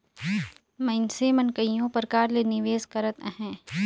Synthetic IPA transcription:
mɐ̃ɪnsemənkəijõpəɾkaːɾlenɪʋeːskəɾət̪ɦɛ̃ː

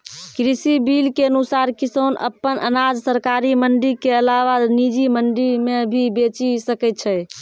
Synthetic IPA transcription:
kɾisibilkeənusaɾkisonə̰pːənʔə̰nad͡ʒsəɾkaɾiməɳɖiɾkeəlaʋanid͡ʒiməɳɖiɾmebʱibet͡ʃisəkɛt̪̚t͡ʃʰɛ

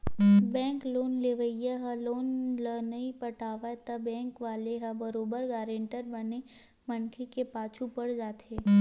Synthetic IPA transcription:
bɛ̃ːŋkloːnleʋəjaɦɐloːnlənəipəʈʰaːʋat̪ɐbɛ̃ːŋkʋaːleɦɐbəɾoːbəɾɡaːɾẽɳʈəɾbəne | mənkʰekepaːt͡ʃʰupəɽd͡ʒaːt̪ʰeː

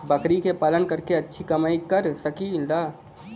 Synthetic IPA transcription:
bɐkɾikepaːlənkəɾkeɐtːʃʰikɐmaːikəɾsəkild̪aː

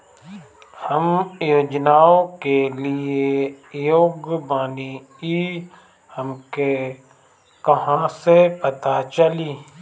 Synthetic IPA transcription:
həmjoːd͡ʒnaːõkeliejoːɡbaːni | i | həmke | kɐɦãsepət̪at͡ʃəliː

